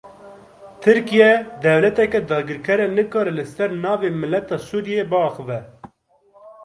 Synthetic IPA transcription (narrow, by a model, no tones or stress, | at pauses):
t̪ʰɨɾkijɛd̪ɛvlɛt̪ɛkɛd̪ɑːɡɨɾkʰɛɾɛnɨkɑːɾɛlɨsɛɾnɑːveːmɨlːɛt̪ɑːsuːɾijebɨɑːxɨvɛ